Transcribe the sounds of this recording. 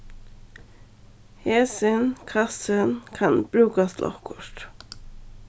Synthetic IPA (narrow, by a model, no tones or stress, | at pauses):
heːsɪnkʰɑsənkʰɑnb̥ɾʉːkɑslʔɔ̰fkʰɔʃʈ̪